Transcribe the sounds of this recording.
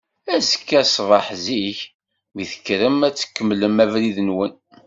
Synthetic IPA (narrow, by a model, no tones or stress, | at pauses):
æzə̥kːæsvˤɑħziç | miθə̥kːɾəmæt͡sːə̥kːəmːləmævɾiðənwən